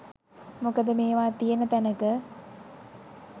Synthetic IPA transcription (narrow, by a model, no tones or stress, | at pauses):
mokəd̪əmeːʋaːt̪ijənət̪ænəkə